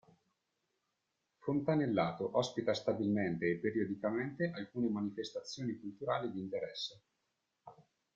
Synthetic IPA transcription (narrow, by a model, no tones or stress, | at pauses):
font̪anelːaːt̪oʔɔspit̪ast̪abilment̪eːpːeɾiod̪ikament̪eʔalkuːnemanifest̪at̪sːjoːnikult̪uɾaːlid̪iːnt̪eɾɛsːe